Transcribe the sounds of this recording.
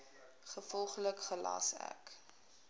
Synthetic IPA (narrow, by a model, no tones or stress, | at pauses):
χəfɔlˠχləkχəlɑ̰sæ̰k